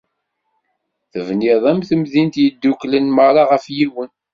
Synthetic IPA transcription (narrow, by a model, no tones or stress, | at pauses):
θəvniðˤæmθəmðint̪jəd̪ːuklənməɾˤɑʁəfjiwən